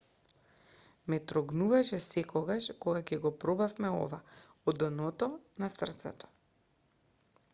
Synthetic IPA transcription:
mɛt̪ɾɔɡnuvaʃɛsɛkɔɡaʃkoɡakɛɡɔpɾɔbafmɛɔ̰vaɔd̪ənɔt̪ɔnasr̩t̪sɛ̰t̪ɔ̥

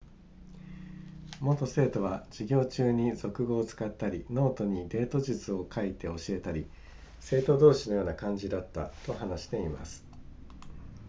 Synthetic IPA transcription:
mo̞t̪o̞se̞ːt̪o̞β̞ad͡ʑiɡʲo̞ːt͡ɕɨːɲ̟izo̞kɯ̟ɡo̞ːt͡sɨ̥kat̪ːaɾʲino̞ːt̪o̞ɲ̟id̪e̞ːt̪o̞ʑɨt͡sɨo̞kʰait̪e̞o̞ɕie̞t̪aɾʲi | se̞ːt̪o̞d̪o̞ːɕino̞jo̞ːnakãɲ̟d͡ʑid̪at̪ːa̰t̪o̞ɦanaɕi̥t̪e̞ima̰sɨ̥

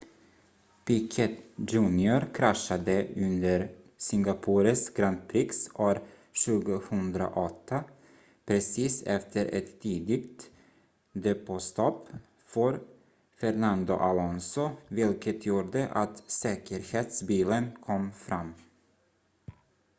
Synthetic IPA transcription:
pɪkʰɛt̪d͡ʒʉːnɪʊɾkʰɾaʂad̪əɵnd̪əɾ | sɪŋɡapʰuːɾəsɡɾant̪̚pʰɾɪksoːɾ | ɕʉ̟ːɡʊhɵnd̪ɾa̰ʔɔt̪ʰːa | pʰɾɛsiːsɛ̰ft̪ʰəɾʔɛ̰t̪ʰːiːd̪ɪɡt̪ | d̪ɛpɔst̪ʰɔp | fœɾ | fɛɾnand̪ʊ̰ʔalɔnsʊvɪlkət̪ʰjuːɖəʔat̪sɛːkəɾheːt̪sbiːlənkʰɔmːfɾamː

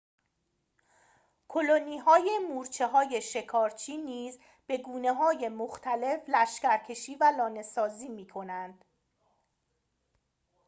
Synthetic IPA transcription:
kʰoloniːɦɒːje̞muːɾt͡ʃʰe̞ɦɒːje̞ʃe̞kʰɒːɾt͡ʃʰiːniːz | b̥e̞ɡuːne̞ɦɒːje̞moxt̪ʰæle̞flæʃcæɾcʰe̞ʃiːvælɒːne̞sɒːziːmiːkʰo̞nænd̪̥

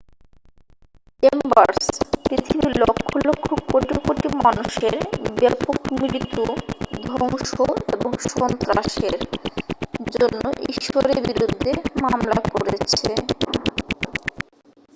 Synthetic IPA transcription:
embaɾspɾit̪ʰibilokʰːolokʰːokoʈikoʈimanuʃeɾbɛpokmiɾit̪ud̪ʱɔŋʃoeboŋʃɔnt̪ɾaʃeɾ | d͡ʑonːoʔḭʃoɾeɾbiɾud̪ʱːemamlakoɾet͡ɕʰe

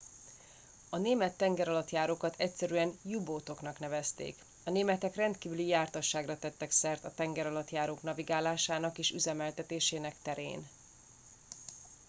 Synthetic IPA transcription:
ɒneːmɛt̪ːɛŋɡɛɾɒlɒt̪jaːɾoːkɒt̪ɛcsɛɾyɛnjuboːt̪o̞knɒknɛvɛst̪ḛːk | ɒneːmɛt̪ɛkrɛnt̪kiːvylijaːrt̪ɒʃːaːɡrɒt̪ɛt̪ːɛksɛrt̪ɒt̪ɛŋɡɛɾɒlɒt̪jaːɾoːknɒviɡaːlaːʃaːnɒkeːʃyzɛmɛlt̪ɛt̪eːʃeːnɛkt̪ɛɾḛːn

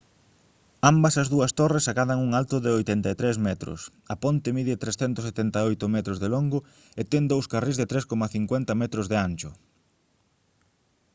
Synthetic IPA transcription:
ambɐsɐzðuɐst̪oresakaðɐŋuŋalt̪ʊðɪojt̪ɛnt̪ɐet̪ɾezmɛt̪ɾʊ̰s | ɐpont̪ɪmiðɪt̪ɾesθɛnt̪ʊset̪ɛnt̪aojt̪ʊmɛt̪ɾozðeloŋɡʊ | et̪ɛŋd̪owskarizðɪt̪ɾeskomɐθiŋkwɛnt̪ɐmɛt̪ɾʊzðeanʲt͡ʃʊ

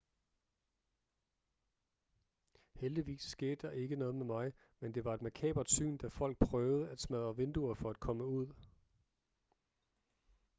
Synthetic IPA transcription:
held̥iʋḭːsːɡ̥e̝ːd̥əd̥ɑ̈ʔe̝ɡ̥ənɔ̽ːð̞̩ˠmemɑ̈ɪ | mend̥e̝ʋɑ̈e̝d̥mækʰɛ̰ːb̥ɐd̥sy̰ːnd̥æfɒ̽l̰ɡ̥̚pʰʁœːʊð̞ˠəæd̥smæðˠɒʋe̝nd̥uɐfɒ̽æd̥̚kʰɒ̽məuð̞̰ˠ

